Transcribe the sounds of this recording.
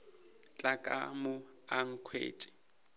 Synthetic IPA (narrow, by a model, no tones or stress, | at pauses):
t͡ɬʼakʼamʊ | aŋ̩kʰwḛːtʼɪ̥